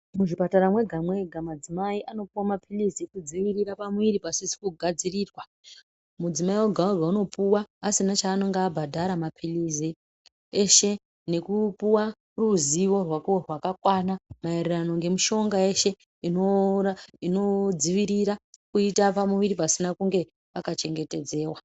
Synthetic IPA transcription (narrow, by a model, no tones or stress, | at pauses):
muʐipataɾamwe̞ɡʱamwe̞ɡʱamad͡zimaiʔano̞puwamapʰiliziekud͡ziʋiɾiɾapamuʋiɾipasisi̥kuɡʱad͡ziriːrwa | mud͡zimaiwoɡʱaurwauno̞puwaːsinat͡ʃaːno̞ŋɡaːbʱadʱaɾamapʰilizi | eʃe̞ | ne̞kupuwa | ruziwo̞rwakrwakakwanamaererano̞ŋɡe̞muʃo̞ŋɡae̞ʃe̞ | inoaino̞d͡ziʋiɾiɾakuitapamuʋiɾipasinakuŋɡe̞ | pakat͡ʃe̞ŋɡe̞te̞d͡ze̞ːwa